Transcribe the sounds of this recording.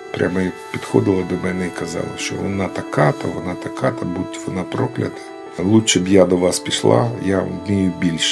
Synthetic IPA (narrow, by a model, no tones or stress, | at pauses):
pɾʲʔamɐj | pʲid̪xɔd̪ɪlˠɐd̪ɔmɛnɛikɐzɑ̰lˠɐ̰ʃt͡ʃɔ̰ʋɔ̰nat̪ɐkat̪ɐ̰ʋɔnat̪ɐkat̪ɐbuʋɔnapɾɔklʲɐ̰t̪ɐ̥ | lˠut͡ʃɛbjad̪ɔʋɑspʲiʃlˠa̰jamʲijʊbʲilʲʃ